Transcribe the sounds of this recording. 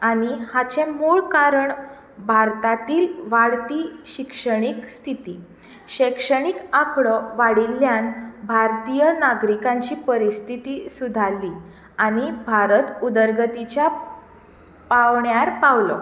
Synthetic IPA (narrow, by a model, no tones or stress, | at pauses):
aɽ̃ihat͡ɕẽmuɭkaɾəɳ | bʱaɾt̪at̪iːlʋaɽt̪iːɕikʂəɽ̃ikst̪ʰit̪iː | ɕekʂəɽ̃ikakʰɭɔʋaɽilːjanbʱaɾt̪ijənaɡɾikãɲt͡ɕiːpəɾist̪ʰit̪iːsud̪ʱalːi | aɽ̃ibʱaɾət̪ud̪əɾɡət̪it͡ɕja | paʋɳjaɾpaʋlɔ̰